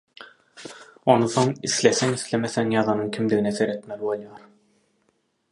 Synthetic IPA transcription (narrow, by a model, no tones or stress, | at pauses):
o̞nɯθo̞ŋisleθeŋiθlemeθeŋjɑðɑnɯŋkʲʰimd̪iɣineseɾe̞t̪melʲibo̞lˠjɑːɾ